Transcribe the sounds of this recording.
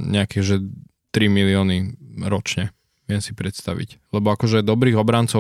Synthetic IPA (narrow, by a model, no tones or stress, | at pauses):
ɲɛakiɣʒɛ | t̪ɾimiliɔːniɾɔt͡ʃɲɛ | ʋɪɛmsipɾɛt̪st̪a̰ʋḭclɛbɔakɔʒɛd̪ɔbɾiːɣɔbɾaːnt͡sɔ